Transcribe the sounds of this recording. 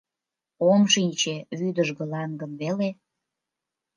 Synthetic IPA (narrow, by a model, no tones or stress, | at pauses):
omʃinʲt͡ɕeβyd̪əʒɣə̆lɑŋɡəmβele